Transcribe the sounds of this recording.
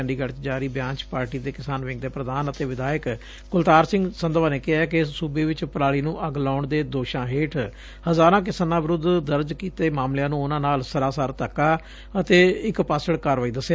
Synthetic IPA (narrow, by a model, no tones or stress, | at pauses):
ɳɖiːɡəɽt͡ʃd͡ʒaːɾiːbjãːt͡ʃpaːɾʈiːd̪eːkɪsaːnʋɪ̃ŋɡ̚d̪eːpɾəd̪aːnət̪eːʋɪd̪aːjək | kʊlt̪aːɾsɪ̃ŋɡsənd̪ʋaːneːkɪɦaːkɪsuːbeːʋɪt͡ʃpəɾaːɭiːnũːʔəɡlaːɳd̪eːd̪oːʃãːɦeːʈʰ | həzaːɾãːk̬ɪsaːnãːʋɪɾʊd̪d̪əɾd͡ʒkiːt̪eːmaːmljãːnũːʊnãːnaːlsəɾaːsaɾt̪əkːaː | ət̪eːɪkpaːsəɽkəɾʋaːiːd̪əsːa